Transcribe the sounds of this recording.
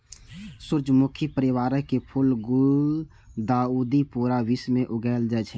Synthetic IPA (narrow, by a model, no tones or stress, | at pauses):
sʊɾd͡ʒmʊkʰipəɾɪwaːɾəkepʰʊlɡu | d̪aːuːd̪ipuɾaʋismẽʔʊɡɛːld͡ʒaːt͡ʃʰɛ